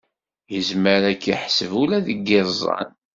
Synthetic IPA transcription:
jəzməɾækːiħsəvulæðəɡːɪɾˤzˤɑ̰n

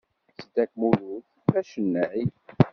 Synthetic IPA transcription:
sd̪ækmuluθ | væʃənːæʕi

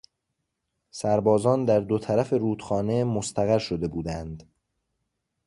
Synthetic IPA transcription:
sæɾbɒːzɒːnd̪æɾd̪ot̪ʰæɾæfe̞ɾuːd̪̥xɒːne̞most̪ʰæɣæɾʃo̞d̪e̞buːd̪ænd̪

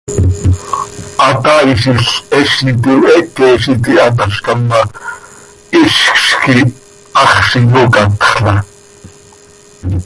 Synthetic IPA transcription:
ʔɑt̪ɑiʃ̬iɬɛʃit̪iwɛʔkɛʃit̪iɑt̪̬ɑʃkɑmːɑ | iʃkʃki | ɑχʃijokɑt̪χɬɑ

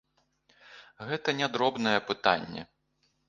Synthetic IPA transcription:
ɣɛt̪ɐnʲɛd̪ɾɔbnɐjɛpɨt̪a̰nʲːɛ̰

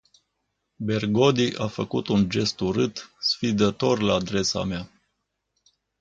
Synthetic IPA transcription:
be̞rɡo̞d̪iʔafəkut̪und͡ʒe̞st̪uɾɨt̪sfid̪ət̪o̞rlaːd̪ɾe̞sa̰mea

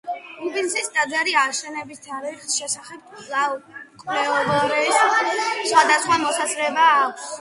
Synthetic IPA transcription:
ɾubinsisd̪ad̪zɛɾiaʃɛnɛbist̪ʰaɾiχʃɛsaχɛb̚klˠavkʼlɛɔvɛɾɛssχwad̪asχwamɔsazɾɛbaːkʷʰs

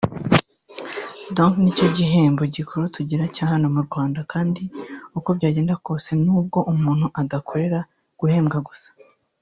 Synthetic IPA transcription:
doŋknico̞ɟiɦe̞ːmbo̞ɟikʰoɾutuɟiɾacaːhano̞muɾɡwaːndakaːndiuko̞bɟaːɟe̞ːndako̞ːse̞nuːb̚ɡo̞ʔumuːn̥huʔadakʰo̞ɾe̞ɾa | ɡ̥uhe̞ːmɡaɡusḁ

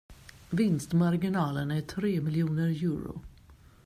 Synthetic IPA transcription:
vɪnst̪maɾɡɪnɑːlənæʈʰɾeːmɪljuːnəɾjʉːɾʊ̰

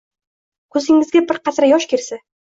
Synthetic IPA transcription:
kʰɵzɪŋɪzɡʲabɪɾqɑt̪ɾajɒʃkʲeɾsa

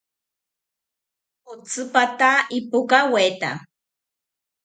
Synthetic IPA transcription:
ot͡sʰɨpat̪aipukawet̪a̰

